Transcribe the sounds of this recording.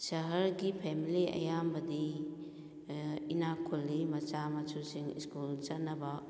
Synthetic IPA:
sɐɦɐɾɡipʰemiliɐ̰jambɐdi | inakʰulːimɐt͡ʃamɐt͡ʃusiŋḭskult͡ʃɐtnːɐbɐ

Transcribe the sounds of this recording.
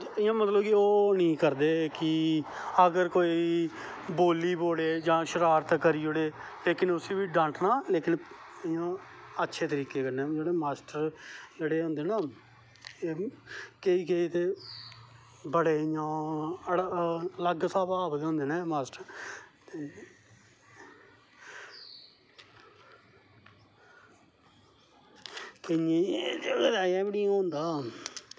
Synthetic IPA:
ɪjãːmət̪ləbkɪoːnĩːkəɾd̪eːkɪ | əɡəɾkoːiː | boːliːboːleːd͡ʒãːʃəɾaːɾt̪kəɾiːoːɽeːleːkɪnʊsiːʋiːɖãːɳʈnaːleːkɪnɪjãːətːʃʰeːt̪əɾiːkeːkəɾnẽːd͡ʒeːɽeːmaːsʈəɾd͡ʒeːɽeːɦʊ̃nd̪eːnaː | eːkeiːkeiːt̪eː | bəɽeːjãːələɡsaːbaːpət̪õːnd̪eːnɛ̃ːmaːsʈəɾt̪eː | kɪjẽːeed̪aːãːbəɽɪãːɦʊnd̪aː

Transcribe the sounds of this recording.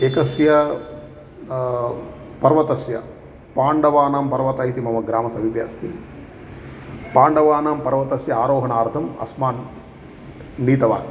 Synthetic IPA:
ekɐsjɐ | pɐɾʋɐt̪ɐsjɐ | paːɳɖɐʋaːnaːmpɐɾʋɐt̪ɐɦit̪imɐmɐɡɾaːmɐsɐbʱiʋja̰ːst̪ʰi | paːɳɖɐʋaːnaːmpɐɾʋɐt̪ɐsjɐaːɾoːɦɐnaːɾt̪ʰɐmɐ̰smaːn | iːt̪ɐʋa̰ːn

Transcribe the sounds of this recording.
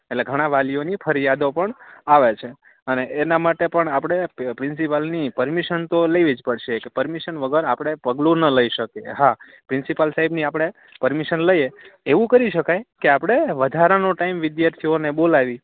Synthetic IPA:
etleɡʱəɽ̃aʋalijonipʰəɾijad̪opəɳaʋet͡ʃʰe | əneʔːnamaʈepəɳapɽ̃epɾɪ̃nsipəlnipəɾmiʃənt̪oləʋid͡ʒpəɽʃekepəɾmiʃənʋəɡʱəɾapɽ̃epəɡlũnələiʃəkeɦa | pɾɪ̃nsipəlsaɦibniapɽ̃e | pəɾmiʃənləjeeʋũkəɾiʃəkajkeapɽ̃eʋəd̪ʱaɾanoʈaimʋɪd̪jaɾt̪ʰionebolaʋi

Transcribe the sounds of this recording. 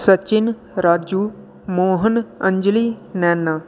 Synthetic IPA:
sət͡ʃin | ɾaːd͡ʑu | moːɦənəɲd͡ʑlinanːa

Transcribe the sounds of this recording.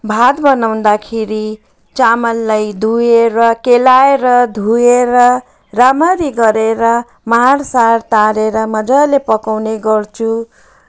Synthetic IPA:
bʱat̪bʌnawnd̪akʰeɾi | t͡samʌlːajd̪ʱueɾʌkelaeɾʌd̪ʱueɾʌ | ramaɾiɡʌɾeɾʌ | maɦarsart̪aɾeɾʌmʌd͡zalepʌkawneɡʌrt͡sʰu

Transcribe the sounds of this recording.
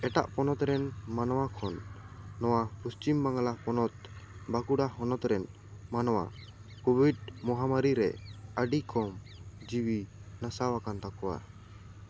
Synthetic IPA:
ɛʈa̰ʔpɔnɔt̪ɾɛnmanɔwakʰɔnːɔwapust͡ʃimbaŋalapɔnɔt̪̚bakuɽaɦɔnɔt̪ɾɛn | manɔwa̰ | kubiɖmɔɦamaɾiɾɛ̰əɖikɔm | d͡ʒiwinasawakant̪akɔwa̰

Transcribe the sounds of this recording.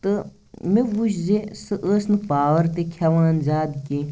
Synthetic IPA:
t̪ɨ | meʋuʃzesɨʔəːsnɨpaːʋɐɾt̪ekʲʰɐʋãːnzaːd̪ke

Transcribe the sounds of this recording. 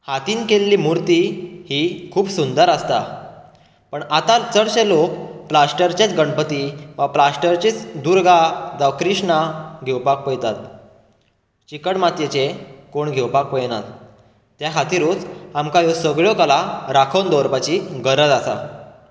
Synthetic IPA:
hat̪iːnkelːiːmuɾt̪ihiːkʰuːpsund̪əɾəst̪a | pəɳat̪at͡səɽɕelokplasʈəɾt͡ɕet͡sɡəɳpət̪iʋaplasʈəɾt͡ɕiːt͡sd̪uɾɡad͡zaʋkɾiʂɳaɡʱewpak̚pəjt̪at̪ | t͡ɕikəɽmat̪jet͡ɕekoɳɡʱewpak̚pəjnat̪ː | jaɦʰat̪iɾut͡samkajosəɡɭjɔkəlaɾakʰənd̪ɔɾpat͡ɕiɡəɾəd͡z̪asa̰

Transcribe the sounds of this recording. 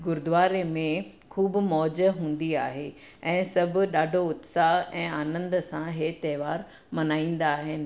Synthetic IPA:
ɡʊɾd̪ʊʋaːɾemẽ | kʰuːbmɔːd͡ʑəɦũːn̆d̪iaːɦe | ɛ̃ːsɐbʱʊ̆ɗaːɖʱoʊt̪saɦɛ̃ːaːnə̃nd̪sãɦet̪ɛːʋaːɾ | mɐnaːĩːn̆d̪aːɦɪnɪ̆

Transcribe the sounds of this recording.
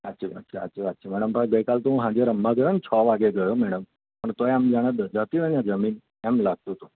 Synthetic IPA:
ətːt͡ʃʰea̰tːt͡ʃʰaətːt͡ʃʰeʋat̪̚ːt͡ʃʰamɛɽəmpə̃ɡəikalt̪oɦũɦãd͡ʒeɾəmːaɡəɾənt͡ʃʰɔːʋaɡeɡəjomɛɽəm | pəɳt̪oeamd͡ʒaɽ̃ed̪əd͡ʒət̪iʋə̃ɲãd͡ʒəmin | ɛmlaɡ̚t̪ũt̪u

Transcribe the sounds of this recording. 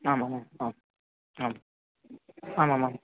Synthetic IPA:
amamamam | am | amamam

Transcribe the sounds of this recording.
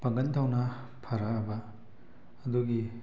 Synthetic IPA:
pɐŋɡɐnt̪ʰawnɐ | pʰɐɾaːbɐː | d̪uɡi

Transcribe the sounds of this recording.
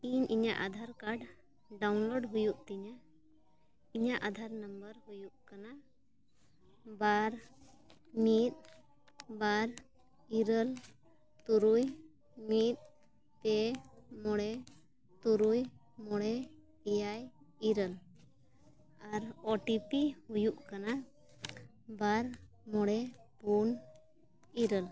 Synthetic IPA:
iɲiɲaʔad̪ʱaɾkaɖ | ɖawnlɔɖɦujuʔt̪iɲa | iɲaʔad̪ʱaɾnəmbəɾɦujuʔkana | baɾ | mit̪̚ | baɾ | iɾəl | t̪uɾuj | mit̪̚ | p̪ɛmɔɽɛ | t̪uɾuj | mɔɽɛ | ijaj | iɾəl | aɾɔʈipihujuʔkana | baɾ | mɔɽɛpun | iɾəl

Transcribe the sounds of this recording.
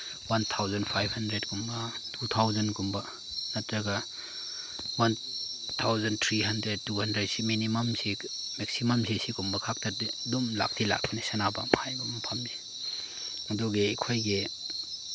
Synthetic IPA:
want̪ʰawzɐnpʰajbhɐndɾed̚kumbɐtʰut̪ʰawzɐnkumbɐ | nɐtɾɐɡa | wan | t̪ʰawzɐnt̪ʰɾiɦɐndɾed̚tːuhɐndɾed̚siminimɐmsi | mek̚simɐmsisikumbɐkʰak̚tadidumla̰k̚tʰila̰k̚bʰanisanaba̰mhajbɐmɐpʰami | mɐdoɡeːkʰojɡe

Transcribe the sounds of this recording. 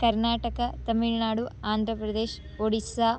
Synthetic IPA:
kɐɾnaːʈɐkɐt̪ɐmiɭnaːɽuaːnd̪ʱɾɐpɾɐd̪eːʃ | oɽisaː

